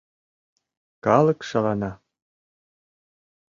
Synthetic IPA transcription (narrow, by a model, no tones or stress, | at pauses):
kɑlˠɤ̆kʃɑlɑnɑ